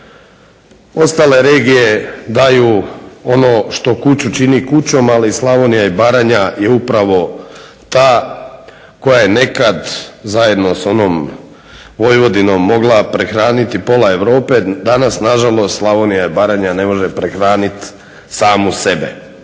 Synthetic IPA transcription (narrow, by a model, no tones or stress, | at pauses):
o̞st̪ale̞ɾeːɡije̞d̪ajuo̞noʃt̪o̞kut͡ɕut͡ʃinikut͡ɕo̞malislˠaʋonijaibaːɾaɲajeupɾaʋo̞ | t̪aː | ko̞jajene̞kad̪zaje̞d̪no̞so̞nom | ʋo̞jʋo̞d̪ino̞mːo̞ɡlˠapɾexɾaːnit̪ipo̞lae̞ʋɾo̞ːpe̞d̪anasnaʒalˠo̞st̪slˠaʋonijaibaɾaɲane̞mo̞ʒepɾexɾaːnit̪ | saːmuse̞bḛ